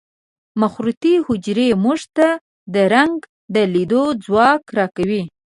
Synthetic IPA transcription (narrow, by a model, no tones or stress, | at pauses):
maxɾut̪ihʊd͡ʒɾemuʐt̪a | d̪əɾaŋɡ | d̪əlid̪od͡zwɑkɾɑkawi